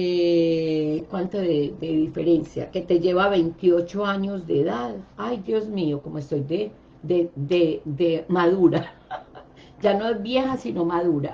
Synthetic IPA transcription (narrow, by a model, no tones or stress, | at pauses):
e | kwant̪oðed̪eðife̞ɾe̞nsja̰ke̞t̪eʝe̞βaβe̞jnt̪io̞t͡ʃo̞aɲo̞zd̪eðaðajd̪jo̞zmioko̞moest̪o̞jd̪e | d̪ed̪ed̪emaðuɾa | d͡ʒano̞e̞zbje̞hasino̞maðuɾa